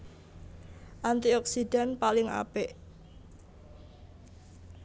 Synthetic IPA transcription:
ʔant̪iɔksiɖ̥a̤npalɪŋa̰pɛʔ

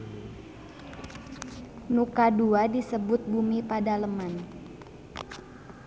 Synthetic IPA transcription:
nukaduadisəbʊt̪̚bumipadaləman

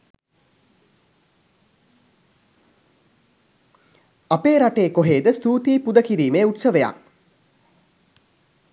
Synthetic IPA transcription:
apeːɾaʈeːkoɦeːd̪əst̪uːt̪iːpud̪əkiɾiːmeːuʈsəʋeja̰k̚

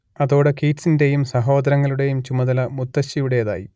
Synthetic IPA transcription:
ɐðo̞ːɽekiːtsinde̞jumsɐɦo̞ːd̪ɐɾɐŋːɐɭuɽe̞jumt͡ɕumɐðɐlɐmut̪ːɐɕijuɽe̞jɐða̰ːjḭ

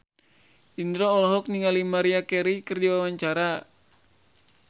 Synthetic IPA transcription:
ʔind̪ɾɔːlɔɦɔk̚niŋalimaɾiakɛɾikɨrdiwawaɲt͡ʃaɾa

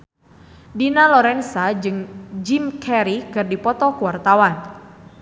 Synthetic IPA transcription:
dinalɔɾɛnsad͡ʒɨŋd͡ʒimkʰɛɾikɨrdipɔt̪ɔkuwart̪awan

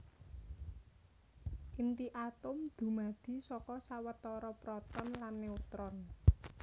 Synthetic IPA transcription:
ʔint̪iʔat̪ʊmd̪̥ṳmad̪̥i̤sɔkɔsawət̪ɔɾɔpɾɔt̪ɔnlanːeut̪ɾɔn

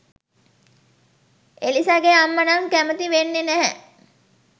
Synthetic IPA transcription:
elisaɡeamːɐnaŋkæmət̪iʋenːenæɦɛ̰

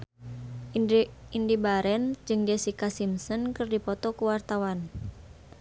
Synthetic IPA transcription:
indibaɾɛnd͡ʒɨŋd͡ʒɛsikasimsɔnkɨrdipɔt̪ɔkuwart̪awan

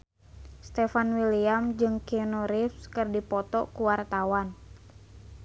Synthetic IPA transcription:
st̪ɛfanwiliamd͡ʒɨŋkionɔɾifskɨrdipɔt̪ɔkuwart̪awan

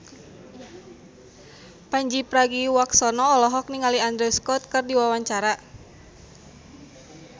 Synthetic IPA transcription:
paɲd͡ʒipɾaɡiwaksɔnɔːlɔɦɔk̚niŋaliand̪ɾɛskɔt̪̚kɨrdiwawaɲt͡ʃaɾa

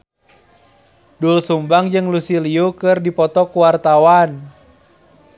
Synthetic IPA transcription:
dulsumbaŋd͡ʒɨŋlusiliukɨrdipɔt̪ɔkuwart̪awan

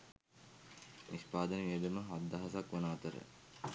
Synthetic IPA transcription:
nispaːd̪əneʋeːd̪əməɦad̪ːaɦasakʋɐnaat̪əɾə̰

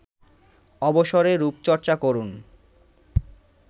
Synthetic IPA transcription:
ɔboʃoɾeɾupt͡ɕɔɾt͡ɕakoɾun

